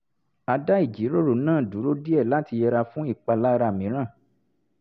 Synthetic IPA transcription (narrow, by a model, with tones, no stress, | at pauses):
a˧da˦i˦˨d͡ʒi˨˦ɾo˦˨ɾo˨nãː˦˨du˨˦ɾo˦di˦ɛ˦˨la˦ti˧jɛ˧ɾa˧fũ˦i˦˨k͡pa˧la˦˧ɾa˧˨mĩ˨˦ɾ̃ã˦˨